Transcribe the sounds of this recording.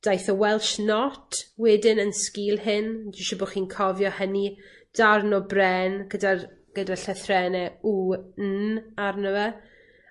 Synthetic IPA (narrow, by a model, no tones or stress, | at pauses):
d̥ajθɔwɛlˠʃnɔtʰwɛdɪnənskiːlˠhɪndɪʃɔbɔχiːnkʰɔvjɔhəni | d̥arnɔbrɛnɡədar | ɡ̥ədaɬəθrɛnɛun̩arnəwɛ